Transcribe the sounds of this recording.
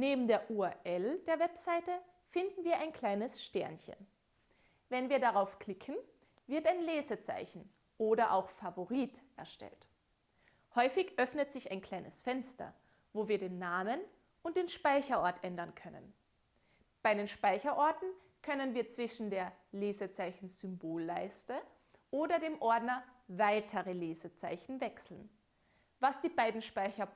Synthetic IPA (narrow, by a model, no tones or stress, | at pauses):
neːbm̩deːɐʔuaʔɛld̥eːɐvɛpz̥aɪtə | fɪndn̩viːɐʔaɪnkʰl̥aɪnəsʃtɛɐnçə̰n | vɛnviːɐdaʁaʊfkl̥ɪkʰn̩ | vɪɐtaɪnleːzət͡sa̰ɪçn̩ | ʔoːdɐʔa̰ʊxfavoʁiːtʔɛɐʃtɛ̰lt | hɔʏfɪçʔœfnətz̥ɪçaɪnkʰl̥aɪnəsfɛnstɐ̰ | voːviːɐdeːnːaːmən | ʔʊntd̥eːnʃpaɪçɐʔɔɐtʔɛndɐnkʰœnə̰n | b̥aɪdeːnʃpaɪçɐʔɔɐtn̩ | kʰœnənviːɐt͡sv̥ɪʃn̩deːɐ | leːzət͡saɪçn̩zʏmboːlːaɪstə | ʔoːdɐdeːmʔɔɐdnɐvaɪtʰəʁəleːzət͡saɪçn̩vɛksl̩n̩ | vasd̥iːbaɪdn̩ʃpaɪçɐ